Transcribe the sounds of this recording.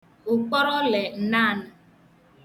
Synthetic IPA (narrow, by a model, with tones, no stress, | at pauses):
ʊ˨k͡pɔ˦ɾɔ˦le˨n̩˨na˦˨na˨